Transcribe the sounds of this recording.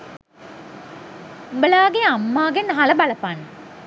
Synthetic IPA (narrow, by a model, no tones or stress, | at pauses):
bəlaːɡeamːaːɡenɦaləbalɐpan